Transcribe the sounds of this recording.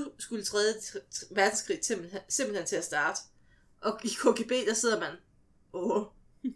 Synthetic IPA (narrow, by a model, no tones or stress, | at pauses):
usɡ̥ulət͡sʰʁɛːð̞̩ˠə̥ʋæɐd̥n̩sɡ̥ʰʁḭːem̰bsemb̥l̩hen̰t͡sʰe̝læsd̥ɑ̈ːd̥ə | ʔɒ̽ikʰo̝ɡ̥ʰe̝b̥e̝̰ːd̥ɑ̈se̝ð̰ˠɐmæn | o